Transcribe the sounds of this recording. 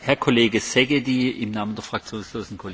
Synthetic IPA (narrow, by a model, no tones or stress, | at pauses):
hɛɐkʰoleːɡəsɛɡediːɪmnaːmənd̥eɐfʁ̥ak̚t͡sjoːnsloːzn̩kʰol